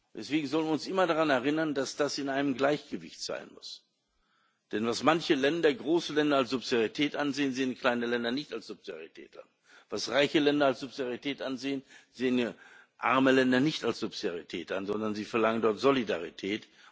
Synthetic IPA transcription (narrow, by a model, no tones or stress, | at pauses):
d̥ɛsv̥eːɡŋ̩zɔlənviɪʊnsʔɪmɐdaʁanɛɐʁ̞ɪnɐndasd̥asɪnʔaɪnəmɡlaɪçɡ̥əvɪ̰çtz̥a̰ɪnmʊ̰s | d̥ɛnvasmançəlɛndɐɡʁoːsəlɛndɐals̬z̥ʊpsidaʁitʰɛːtʔanzeːənzeːənkʰl̥aɪnəlɛndɐnɪçtalsz̥ʊpz̥ida̰ʁitʰɛ̰ːta̰n | v̥asʁaɪçəlɛndɐalsz̥ʊpsidaʁitʰɛːtʔanzeːənzeːən | ʔa̰ɐməlɛndɐnɪçtalsz̥ʊpsidaʁitʰɛ̰ːtʔanzɔndɐnziːfɛɐlaŋəndɔɐtz̥olidaʁitʰɛːt